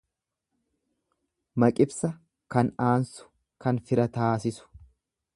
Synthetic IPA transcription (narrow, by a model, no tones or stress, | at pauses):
mɐkʼɪbsɐ | kɐnaːnsʊ̥ | kɐnfɪɾɐt̪aːsɪsʊ̥